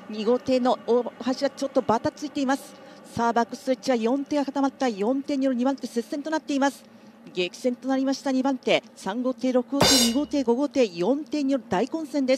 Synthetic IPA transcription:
ɲ̟iɡo̞t̪e̞ːno̞ohaɕiβat͡ɕo̞t̪ːo̞bat̪at͡sɨit̪e̞imasɨ̥ | saːbakɯ̟̥sɨt͡ɕiβajõ̞nt̪e̞ɡakat̪amat̪ːajõ̞nt̪e̞ːɲ̟ijo̞ɾɯ̟ɲ̟ibãnt̪e̞se̞sent̪onat̪ːe̞imasɨ̥ | ɡe̞kʲi̥sẽ̞nt̪o̞naɾʲimaɕi̥t̪aɲ̟ibãnt̪e̞ː | sãŋɡo̞ːt̪e̞ːɾo̞kɯ̟ɡot̪e̞ːɲ̟iɡo̞ːt̪e̞ːɡo̞ɡo̞t̪e̞ːjõ̞nt̪e̞ːɲ̟ijo̞ɾɯ̟d̪aikõ̞ɰ̃sẽ̞nd̪e̞s

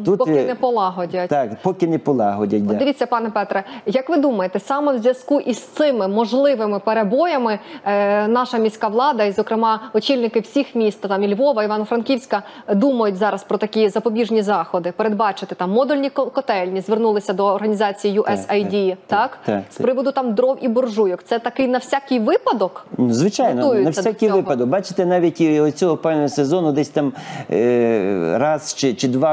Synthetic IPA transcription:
t̪utpɔɪnɛpɔlˠɑɦɔdʲɐt̪ʲkpɔkʲɪnɛpɔlˠɑɦɔdʲɐ̰ɔd̪ɪʋʲit͡sʲːɐpɑnɛpɛt̪ɾɛjɐkʋɪd̪umɐjet̪ɛsɑmɛwzʲʋʲjɐskuʔist̪sɪmɪmɔʒlˠɪʋɪmɪpeɾebɔjɐmɪ | nɑʃɐmʲisʲkɑʋlˠɑd̪ɐizɔkɾɪmɑɔt͡ʃʲilʲnɪkɪwsʲixmʲist̪t̪ɑmilʲʋɔʋɐiʋɑnɐfɾɐnkʲiwsʲkɐ | d̪umɐjʊtʲzɑɾɐspɾɔt̪ɐkʲizɐpɔbʲiʒnʲizɑxɔd̪ɪpeɾed̪bɑt͡ʃɪt̪ɪt̪ɑmːɔd̪ʊlʲnʲikkɔt̪ɛlʲnʲizʋernulˠɪsʲɐd̪ɔːrɦɐnʲizɑt͡sʲijijuʔɛsɐjdʲit̪ɑk̪spɾɪʋɔd̪ʊt̪ɑmd̪ɾɔwʔibɔrʒujɔkt̪sɛt̪ɐkɪjnɐwsʲakʲɪjʋɪpɐd̪ɔknzʋɪt͡ʃajnɔujjʊnɐsʲɐdʲsakijʋɪpɐd̪ɔk̚bɑt͡ʃɪ̥t̪enɑʋʲitʲiɔt͡sʲɔɦɔpɛwnɔɔsezɔnʊd̪ɛsʲt̪ɑm | ɾɑzt͡ʃɪt͡ʃɪd̪ʋɑ

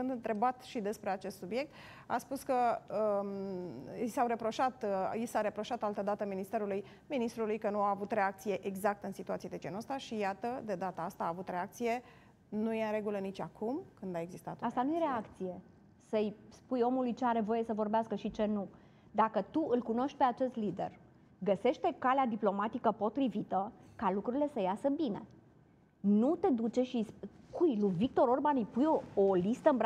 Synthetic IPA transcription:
ɨnd̪ɨnt̪ɾe̞bat̪ʃid̪e̞spɾe̞at͡ʃe̞st̪subje̞k̚t̪ | a̰spuskəə | sawɾe̞pɾo̞ʃat̪isaɾe̞pɾo̞ʃat̪alt̪əd̪at̪əminist̪e̞ɾuluj | minist̪ɾulujkənuaːvut̪ɾe̞akt̪sije̞ʔeɡzak̚t̪əɨnsit̪uat̪sied̪ed͡ʒenəst̪aʃijat̪əd̪e̞d̪at̪aast̪aːvut̪ɾe̞ak̚t̪sije̞ | nujeɨnɾe̞ɡulənit͡ʃʲakʰumkɨnd̪ae̞ɡzist̪a̰t̪ast̪anujeɾe̞akt̪sije̞ | səjspujo̞mulujt͡ʃeaɾe̞vo̞je̞səvo̞rbeaskəʃit͡ʃe̞nu | d̪akət̪uʔɨlkuno̞ʃt̪̚ʲpe̞at͡ʃe̞st̪lid̪e̞̰r | ɡəse̞ʃt̪e̞kalead̪iplo̞mat̪ikəpo̞t̪ɾivit̪əkalukɾuɾile̞səjasəbine̞̰ | nut̪e̞d̪ut͡ʃe̞ʃiskujluvik̚t̪o̞ɾo̞rbanɨjpujoolist̪əɨmb

